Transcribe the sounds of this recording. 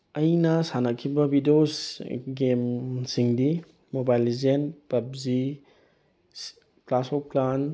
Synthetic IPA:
ɐjnɐsanɐkʰibɐbidiosɡemsiŋdi | mobajlizenpɐp̚zi | klasop̚plan

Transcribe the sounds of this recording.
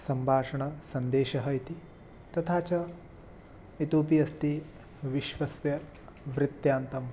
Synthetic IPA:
sɐmbʱaːʂɐɳɐsɐnd̪eːʃɐɦɐit̪i | t̪ɐt̪ʰaːt͡ʃɐ | it̪oːpijɐst̪i | ʋiʃʋɐsjɐ | ʋɾɪt̪jaːnt̪ɐm

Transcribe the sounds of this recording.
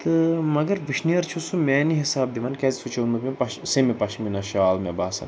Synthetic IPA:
t̪ɨmɐɡɐɾʋɨʃnijɐɾt͡ʃʰusumʲɛːniɦisaːb̚d̪imɐnkʲɛzisut͡ʃʰonmɨt̪mʲẽpɐʃsemipɐʃminɐʃaːlmɛbaːsɐ̰n

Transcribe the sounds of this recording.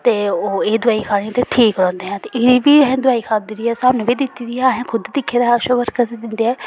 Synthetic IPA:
t̪eːoːeːd̪ʊaːiːkʰaːɽ̃ĩːt̪eʈʰiːkɾɔ̃ːnd̪eːɦɛ̃ːt̪eɪʋiːɦɛ̃ːd̪ʊaːiːkʰaːd̪ɪɾiːɛːsaːmnẽːbiːd̪ɪt̪ːiːd̪iːɛaɦɛ̃ːkʰʊd̪d̪ɪkʰːeːd̪aːaːʃəʋəɾkət̪eːd̪ɪnd̪eːɛː

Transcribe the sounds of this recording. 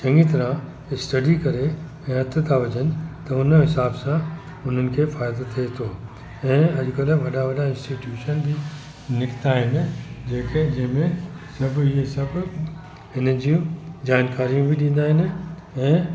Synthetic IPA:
t͡ɕɐ̃ŋɡit̪ɐɾã | ɪsʈɐɖikɐɾe | ɛ̃ːɦɐt̪ʰt̪ʰaʋɐd͡ʑənɪ̆t̪ɐʊnɦɪsaːbsã | ʊn̤ənɪ̆kʰefaːɪd̪ot̪ʰiet̪ʰoː | ɛ̃ːɐʄʊkɐlʋɐɗaʋɐɗaɪ̃nsʈiʈjuːʃənd̪iː | nɪkɪ̥t̪aːɦɪnɪ̆d͡ʑeːked͡ʑɐ̃ɦɪ̃mẽsɐbʱɪɦesɐbʱ | ɪnə̆d͡ʑiũd͡ʑaːnkaːɾijũbʱɪɗĩːn̆d̪aːɦɪnɪ̆ | ɛ̃ː

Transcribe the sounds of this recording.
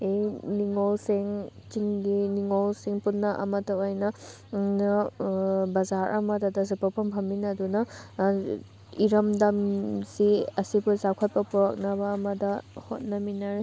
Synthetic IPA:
ejniŋolseŋt͡ʃiŋɡiniŋolsiŋpunːɐʔɐ̰mɐtɐojnɐ | nɐ | bɐzaɾʔɐ̰mɐdɐdɐzɐpɐpʰɐmpʰɐmːinɐdunɐ | iɾɐmdɐmsiɐsibuzakʰɐt̚pɐpuɾɐk̚nɐbɐːmɐdɐhot̚nɐminɐɾe

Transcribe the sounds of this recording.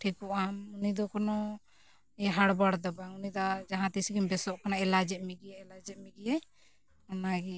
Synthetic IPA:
ʈʰikɔʔamunid̪ɔkɔnɔ | ɦaɽbaɽd̪ɔbaunid̪ɔd͡ʒaɦãt̪isiɡimbɛsɔʔkanaɛlad͡ʒɛʔ̚miɡiɛɛlad͡ʒɛʔ̪̚miɡija | anaɡi

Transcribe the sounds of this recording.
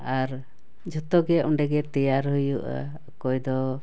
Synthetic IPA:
aɾ | d͡ʒɔt̪ɔɡɛʔuɳɖɛɡɛt̪ɛjaɾɦujuʔa̰ | kɔjd̪ɔ

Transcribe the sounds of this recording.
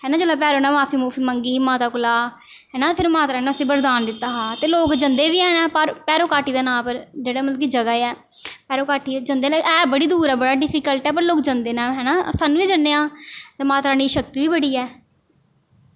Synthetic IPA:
ɦɛːnãːd͡ʒoːlaːpɛːɾoːnaːmaːpʰiːmuːpʰiːməŋɡiːmaːt̪aːkʊlaː | ɦɛːnaːpʰɪɾmaːt̪ɾaːnõəsĩːbəɾd̪aːnd̪ɪt̪ːaːɦaːt̪eːloːkd͡ʒənd̪eːʋiːɛːnɛːpəɾpɛːɾoːkaːʈiːd̪aːnãːpəɾd͡ʒeːɽaːmət̪ləkiːd͡ʒəɡaːɛː | pɛːɾoːkaːʈiːd͡ʒənd̪eːnɛːbəɽiːd̪uːɾɛːbəɽaːɖɪpʰikəlʈɛːpəɾloːkd͡ʒənd̪eːnaːɦɛːnaːsaːnːũːʋiːd͡ʒənːeːãːt̪eːmaːt̪ɾaːniːʃək̚t̪iːʋiːbəɽiːɛː

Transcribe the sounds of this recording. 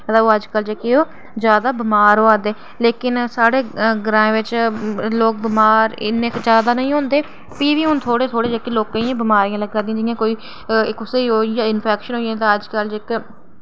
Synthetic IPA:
ət̪aːoːəd͡ʒkəld͡ʒekːioː | zjaːd̪aːbɪmaːɾɦoːaːd̪eː | leːkɪnsaːɽeːɡɾãːẽːʋɪt͡ʃloːk̚bɪmaːɾnekd͡ʒjaːd̪aːnəĩːɦõːnd̪eː | piːʋiːɦʊnt̪ʰoːɽeːt̪ʰoːɽeːd͡ʒekiːloːkːẽiãːbɪmaːɾijãːləɡd͡ʒad̪ĩãːd͡ʒɪjãːkoːiː | ɪkʊseːiɦoːijãːɪnpʰɛːkʃənɦoːiẽːt̪̬ãːəd͡ʒkəld͡ʒɪk

